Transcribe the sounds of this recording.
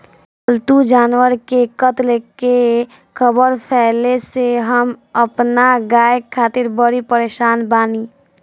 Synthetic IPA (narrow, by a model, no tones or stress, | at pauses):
əlt̪ud͡ʒaːnwəɾkekət̪leke | kʰəbəɾpʰɛːleseɦəməpnaɡaːjkʰːaːt̪ɪɾbəɾipəɾeːʃaːnbaːniː